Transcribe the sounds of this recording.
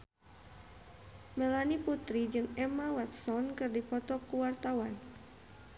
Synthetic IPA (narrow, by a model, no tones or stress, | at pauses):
mɛlaniput̪ɾid͡ʒɨŋɛmawɛt̪̚sɔnkɨrdipɔt̪ɔkuwart̪awan